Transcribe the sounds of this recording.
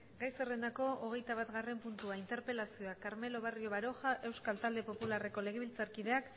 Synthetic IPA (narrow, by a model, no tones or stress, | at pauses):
ɡajsere̞nd̪ako̞ʔoɣ̞e̞jt̪aβat̪ɣare̞mpunt̪uaint̪e̞ɾpe̞lasio̞akaɾme̞lo̞βario̞βaɾo̞xaʔe̞wskalt̪ald̪e̞po̞pulare̞ko̞le̞ɣ̞e̞βilt͡saɾkiðe̞ak